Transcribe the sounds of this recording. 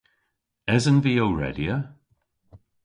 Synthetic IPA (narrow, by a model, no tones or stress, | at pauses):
ɛzənviːowɹɛ̰djə